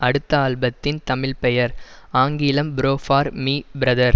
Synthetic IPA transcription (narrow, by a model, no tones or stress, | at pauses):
ɐɽɯt̪ːɐaːɭbɐt̪ːɪnt̪ɐmɪlpɛjɐɾ | aːŋɡɪlɐmbɾoːfaːɾmiːbɪɾɐðɐɾ